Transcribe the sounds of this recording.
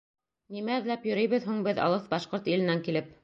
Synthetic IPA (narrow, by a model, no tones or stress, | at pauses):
nimæɘ̆ðlæpjɵ̆ɾɘ̆jβɘðɦuɴbɘðɑ̰lˠɤθbɑʃqoɾt̪ilɘ̆næŋkilɘp̚